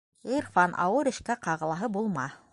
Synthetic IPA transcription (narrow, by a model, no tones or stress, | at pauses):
irfɑnʔɑ̰wɤɾɘ̆ʃkæqɑʁɤ̆lˠɑɦɤbulˠmɑ